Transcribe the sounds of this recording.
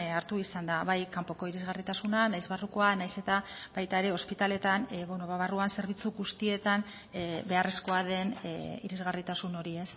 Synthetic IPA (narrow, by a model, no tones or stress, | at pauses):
aɾt̪uisand̪aβajkampo̞ko̞iɾizɣarit̪asunanajzβaruko̞anajse̞t̪abajt̪ae̞ɾe̞o̞spit̪ale̞t̪anβonoβaβaruanse̞ɾβ̞it͡suɣust̪ie̞t̪an | be̞aresko̞aðe̞niɾizɣarit̪asuno̞ɾie̞s